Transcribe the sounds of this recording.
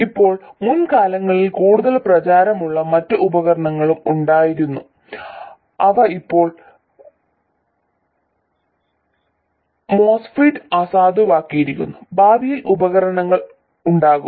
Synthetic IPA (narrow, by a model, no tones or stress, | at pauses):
ipːo̞ːɭmunkaːlɐŋːɐɭilkuːɽuðɐlprɐt͡ɕaːɾɐmuɭːɐmɐtːɨubɐɣɐɾɐɳɐŋːɐɭumuɳɖaːjiɾunːu | ɐʋɐipːo̞ːɭ | moːsfiʈɨɐsaːd̪ɨʋaːkːijɐɾikʲːṵnːubaːbʱijilʔubɐɣɐɾɐɳɐŋːɐɭ | uɳɖaːɣu